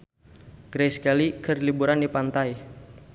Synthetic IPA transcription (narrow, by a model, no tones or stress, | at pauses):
ɡ̥ɾɛskalikərlibuɾandipant̪aj